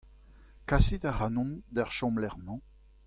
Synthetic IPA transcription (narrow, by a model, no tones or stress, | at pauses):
kasid̪aʁanɔ̃nd̪aʁʃɔ̃mlɛʁmɑ̃